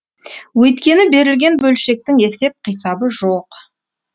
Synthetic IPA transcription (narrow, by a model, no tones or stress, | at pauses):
wɵjt̪kʲe̞nɪbe̞ɾɪlɡʲe̞nbɵlʃe̞k̚t̪ɪŋe̞se̞p̚qʰijsɑbəʒoq